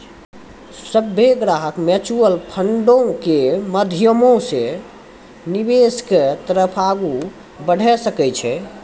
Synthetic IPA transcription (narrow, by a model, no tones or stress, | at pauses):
səbʱeɡɾaɦəkmet͡ʃuəlpʰəɳɖõkeməd̪ʱjəmõse | nibesket̪əɾəpʰaɡu | bəɽ̤ʱɛsəkɛjt͡ʃʰɛ